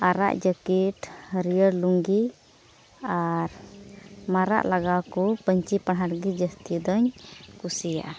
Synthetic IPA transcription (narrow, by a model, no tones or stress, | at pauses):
aɾa̰ʔd͡ʒəkiʈhəɾijəɾluŋɡi | aɾ | maɾa̰ʔlaɡakɔpəɲt͡ʃipaɽɦaɽɡid͡ʒəst̪id̪ɔɲkusija̰ʔa